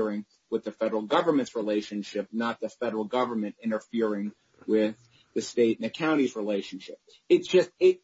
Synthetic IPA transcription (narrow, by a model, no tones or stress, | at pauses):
ɹɪ̃ŋ | wəðɨfɛɾə˞l̩ˠɡʌvə˞mɨ̃ntsɹileɪʃɨ̃nʃɪp̚nət̪̚ðɨfɛɾə˞l̩ˠɡʌvə˞mɨ̃ntɪ̃ɾ̃ə˞fɪɹɪ̃ŋ | wɪð | ɨsteɪtn̩ɨkʰãʊ̃ɾ̃izɹileɪʃɨ̃n̩ʃɪp̚ | ɨtsd̥ʒ̥ʌst̚ɪ